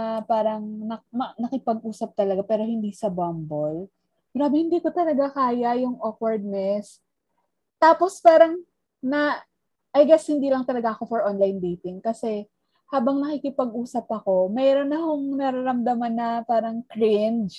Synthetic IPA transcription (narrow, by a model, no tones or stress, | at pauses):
paːɾɐŋnɐmɐnɐkɪpɐɡ̚ʔuːsɐp̚t̪ɐlɐɡapɛːɾo̞hɪnd̪iːsɐbɐmbol | ɡɾaːbɪhɪnd̪iːkot̪ɐlɐɡakaːjɐjʊŋʔokwɐɹd̪̚nɛs | t̪aːpo̞spaːɾɐŋ | nɐ | ʔɐjɡɛshɪnd̪iːlɐŋt̪ɐlɐɡaʔɐko̞fɔɹʔonlajnd̪ejt̪ɪŋkɐsɛ | haːbɐŋnɐkɪkɪpɐɡʔuːsɐpɐko̞mɛɾonɐɦoŋnɐɾɐɾɐmd̪ɐmanːɐpaːɾɐŋkɹɪnd͡ʒ